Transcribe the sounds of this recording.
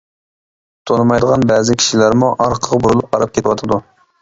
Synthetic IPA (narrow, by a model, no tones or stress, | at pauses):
t̪ʰonɨmɑjd̪əʁɑnbɛzɪkʲʰi̥ʃilæɾmuʔɑɾqʰəʁbuɾulˠup̚qʰɑɾɑp̚kʲet̪ʰɪwɑt̪ʰɨd̪u